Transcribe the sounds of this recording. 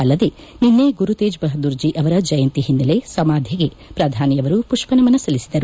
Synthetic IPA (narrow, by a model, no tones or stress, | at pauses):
ɐlːɐd̪e̞ | ninːeɡuɾut̪eːd͡ʒbɐɦɐd̪uɾd͡ʒiʔɐʋɐɾɐd͡ʒɐjɐnt̪iɦinːɐle̞sɐmaːd̪ʱjɐɡe̞ | pɾɐd̪ʱaːnijɐʋɐɾupuʂpɐnɐmɐnːɐsɐlisid̪ɐɾu